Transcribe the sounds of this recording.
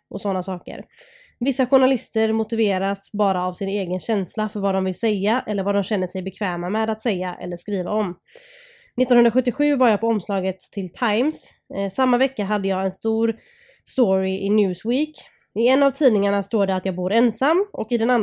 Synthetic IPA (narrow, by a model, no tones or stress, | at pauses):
ʔɔsɔnːasɑːkə̰ɾ | vɪsːaɧʊɳalɪst̪əɾmʊt̪ɪveːɾasbɑːɾaːvsɪneːɡənɕɛnslafœɾvaːd̪ɔmvɪlsɛjːaʔɛlːəɾvaːd̪ɔmɕɛnːəʂɛjbɛkʰvɛːmamɛd̪at̪sɛjːaʔɛ̰lːəʂkɾiːva̰ɔm | nɪt̪ːɔnhɵnɾaɧɵt̪ːɪɧʉ̟ːvaɾjaːpʰɔɔmslɑːɡət̪ʰːɪlt̪ʰajmssamːavɛkːaɦad̪ːəjɑːɡɛnst̪uːɾ | st̪oɾɪʔɪnjʉ̟ːswiːk | ɪɛnːavt̪ʰiːd̪nɪŋaɳast̪oːɖɛat̪jɑːɡbuːɾɛnsamːɔ̰kɪd̪ɛnan